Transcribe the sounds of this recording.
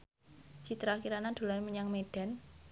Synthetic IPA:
t͡ʃi̤t̪ɾakiɾanad̪̥o̤laməɲaŋmeɖ̥a̤n

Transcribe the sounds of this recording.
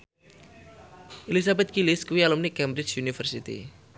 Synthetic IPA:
ʔelisabɛt̪̚kilɪskuwialumnikɛmbɾɪt͡ʃjunifərsit̪ḭ

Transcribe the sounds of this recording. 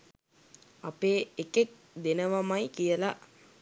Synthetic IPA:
apeːekek̚ | d̪enəʋamajkijəla

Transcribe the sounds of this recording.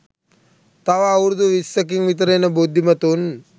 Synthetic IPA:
t̪aʋaːwɾud̪uʋisʋɐkiŋʋit̪̬əɾenəbud̪ʱːimɐt̪un

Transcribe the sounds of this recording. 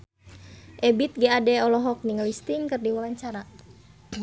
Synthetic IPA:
ʔɛbit̪̚ɡɛadɛɔlɔɦɔk̚niŋlist̪iŋkɨrdiwawaɲt͡ʃaɾa

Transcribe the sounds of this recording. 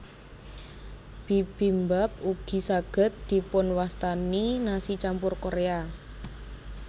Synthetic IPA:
b̥i̤b̥i̤mbap̚uɡ̥i̤saɡ̥ə̤t̪̚d̪̥i̤pʊnwast̪aninasit͡ʃampʊrkoɾea

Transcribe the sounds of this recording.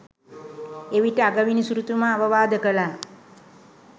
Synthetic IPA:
eʋiʈəaɡəʋinisuɾut̪umaːʋəʋaːd̪əkəla

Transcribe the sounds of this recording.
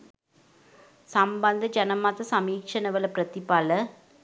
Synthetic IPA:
sɐmbɐnd̪ɐd͡ʒɐnɐmːaːt̪ːɐsɐmiːkʂɐnɐʋɐlɐpɾɐt̪ːɪpːaːlɐ

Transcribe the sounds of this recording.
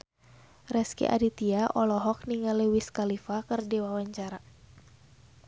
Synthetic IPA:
rɛskḭʔa̰dit̪iaʔɔlɔɦɔk̚niŋalewiskalifakɨrdiwawaɲt͡ʃaɾa

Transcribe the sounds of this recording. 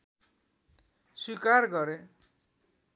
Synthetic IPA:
swikarɡʌɾe

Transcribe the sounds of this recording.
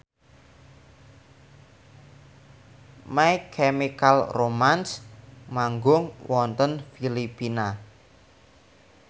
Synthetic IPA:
majkʰemikalromansmaŋɡʊŋwʔɔnt̪ənfilipina

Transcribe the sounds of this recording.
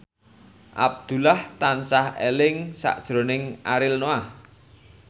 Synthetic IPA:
ʔa̰b̚d̪̥ṳlaht̪ansahḛlɪŋsa̰ʔd̥ʒ̥ɾo̤nɪŋaɾɪlnoah

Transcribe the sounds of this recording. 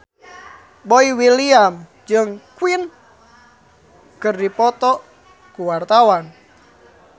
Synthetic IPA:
boiwiliam | d͡ʒɨŋkuwin | kɨrdipɔt̪ɔ | kuwart̪awan

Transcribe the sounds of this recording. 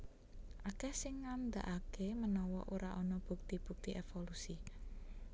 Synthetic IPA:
ʔakɛhsɪŋːand̪a̰ʔakemənɔwɔ̰ʔoɾaʔɔnɔb̥uk̚t̪ib̥uk̚t̪iʔefolusi

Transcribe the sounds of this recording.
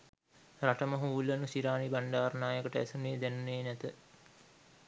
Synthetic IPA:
raʈəməɦuːulːənusiɾaːnibaɳɖaːɾnaːjəkəʈəæ̰suneːd̪ænuneːnɛt̪ə

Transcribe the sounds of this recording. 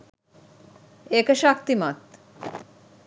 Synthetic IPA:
ekeʃak̚t̪imat̪

